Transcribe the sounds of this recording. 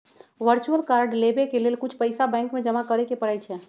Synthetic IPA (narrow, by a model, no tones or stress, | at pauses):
ʋəɾt͡ʃuəlkaɾɖlebekelelkut͡ʃʰpəɪsabɛ̃ŋkmed͡ʒəmakəɾɛkepəɽɛjt͡ʃʰɛ